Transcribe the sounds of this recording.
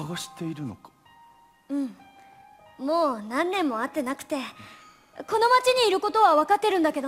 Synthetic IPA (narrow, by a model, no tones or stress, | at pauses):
aɡaɕi̥t̪e̞iɾɯ̟no̞̰kḁ | ɯ̟̃ɴ | moːnãnːẽ̞mːo̞at̪ːe̞nakɯ̟̥t̪e̞ | ko̞no̞mat͡ɕiɲ̟iːɾɯ̟ko̞t̪o̞βaβ̞akat̪ːe̞ɾɯ̟̃nd̪ake̞d̪o